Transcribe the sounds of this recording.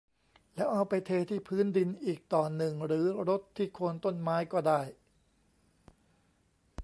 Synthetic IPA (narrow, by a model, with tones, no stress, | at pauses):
lɛ˦˥wʔa˧wpa˧jt̪ʰeː˧t̪ʰiː˥˩pʰɯː˦˥ndi˧nʔiː˨˩k̚t̪ɔː˨˩nːɯ˨˩ŋɾɯː˩˦ɾo˦˥t̪ʰːiː˥˩kʰoː˧nt̪o˥˩nmaː˦˥jkɔː˥˩daː˥˩j